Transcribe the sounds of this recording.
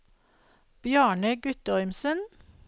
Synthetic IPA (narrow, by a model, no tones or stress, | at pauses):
b̥jæːɳəɡʉt̪əɔʏmsən